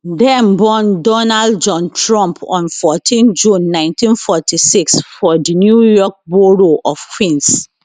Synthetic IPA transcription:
dɛ̃mbɔ̃ndɔnaldd͡ʒɔ̃ntʰɹɔ̃mpʰɔ̰̃nfɔtʰĩnd͡ʒũnːãɪ̃ntʰĩnfɔtʰisiksfɔdinjujɔk̚boɾoʔɔfkʰwĩns

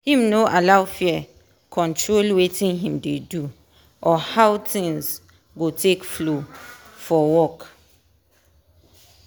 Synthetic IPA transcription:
hĩmnoʔalawfiɛ | kʰɔ̃ntʰɹolwetʰĩnɦĩmdedu | ʔɔhawtʰĩŋs | ɡotʰekflofɔwɔk

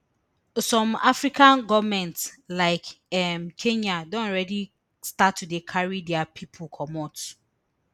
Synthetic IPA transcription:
sɔ̃mafɹikãnɡɔvmɛ̃ntslaɪkɛmkʰẽɲadõnɔɹɛdi | statːudekʰaɹidɛapʰipʰulkʰɔmɔt

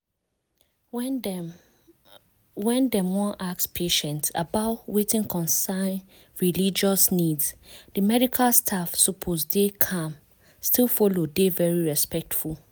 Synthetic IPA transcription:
wɛ̃ndɛ̃mwɔ̃nʔakspʰeʃɛ̃nta̰baʊtwetĩŋkʰɔ̃nsãɪn | ɹilid͡ʒɔsniddəmɛdikʰalstʰafsupʰosdekʰãm | stilfɔlodevɛɹiɹɛspɛk̚tful

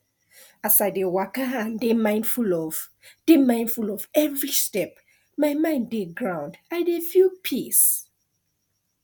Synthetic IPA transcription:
asajdewakəɦãndemãɪ̃ndfulɔv | d̥emãɪ̃ndfulɔvɛvɹistɛp̚ | majmãɪ̃ndeɡɹãʊ̃ndajdefjupʰis

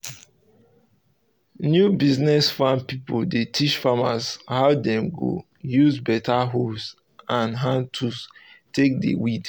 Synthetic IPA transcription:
njubiznɛsfãnpipoldetʰit͡ʃfamashaʊdɛ̃mɡo̰ | juzbɛtʰaɦos | ãnɦãntʰus | tek̚dḛwid

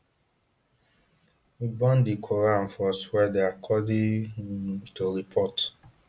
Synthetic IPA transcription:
wibɔ̃ndikʰoɾan̩fɔswɛdeakʰɔdi | toɾipʰɔt

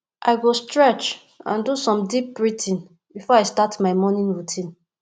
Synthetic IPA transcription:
ʔaɪɡostɹɛt͡ʃ | ã̰ndusɔ̃mdip̚bɹitʰĩn | bifɔaɪstatmaɪmɔnĩnɹutʰĩn

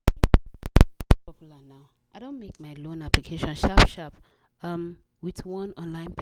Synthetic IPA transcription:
pɔpjlənaʊ | ʔaɪɾõʊ̃nmeɪk̚maɪlõnæplikʰeɪʃɔ̃nʃapʃap | ʌ̃m | wɪtwʌ̃nɔ̃nlãɪ̃npʰ

